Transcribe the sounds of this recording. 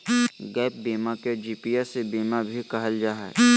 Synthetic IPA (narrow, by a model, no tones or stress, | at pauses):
ɡɛːp̚biːmaked͡ʒiːpiːjɛsebiːmabʱikɐɦəld͡ʒaːɦɛ̰ː